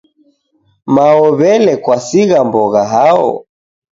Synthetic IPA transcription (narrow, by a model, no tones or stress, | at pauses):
maɔβɛlɛkwasiɣambɔɣaɦaɔ̰